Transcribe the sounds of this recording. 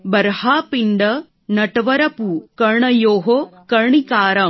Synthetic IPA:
bɐɾhaːpiɳɖɐ | nɐʈɐʋɐɾɐpukɐɾɳɐjoːɦokɐɳikaːɾɐ

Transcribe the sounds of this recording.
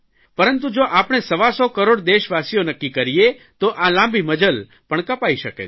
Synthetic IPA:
pəɾənt̪̬ud͡ʒoʔapɳ̃esəʋasɔkəɾoɽd̪eʃʋasijonəkːikəɾie | t̪oʔalãmbʱiməd͡ʒəl | pəɳkəpaiʃəkḛ

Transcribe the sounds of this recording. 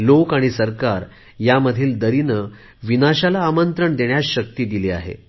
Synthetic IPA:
lokaɽ̃isəɾkaɾ | jaməd̪ʱiːld̪əɾinə | ʋinaɕalaːmənt̪ɾəɳd̪eɳjaɕək̚t̪iːd̪ilea̰ɦḛ

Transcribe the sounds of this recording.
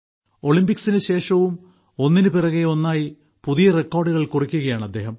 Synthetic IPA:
o̞ɭimbiksinɨɕe̞ːʂɐʋum | o̞nːinɨpirɐɣeo̞nːaːji | puðijɐrekːoːrɖuɣɐɭkurukʲːuɣɐjaːɳɐd̪ːe̞ːɦɐm

